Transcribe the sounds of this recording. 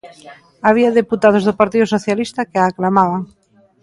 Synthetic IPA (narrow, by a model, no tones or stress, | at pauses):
aβ̞iaðeput̪aðozðʊpaɾt̪iðʊsoθjalist̪akeaːklamaβaŋ